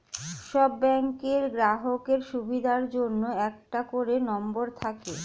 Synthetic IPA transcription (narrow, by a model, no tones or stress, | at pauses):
ʃɔbːɛŋkeɾɡɾaɦokeɾʃubʱid̪ʱaɾd͡ʑonːoɛk̚ʈakoɾenɔmboɾt̪ʰake